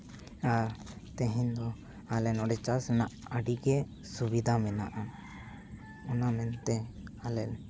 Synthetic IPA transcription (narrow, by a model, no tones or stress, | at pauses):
a | t̪ɛ̃ɦɛɲd̪ɔ | alɛnɔɖɛt͡ʃasɛnaʔaɖiɡɛ | subid̪ʱamɛnaʔa | ɔnamɛnt̪ɛalɛn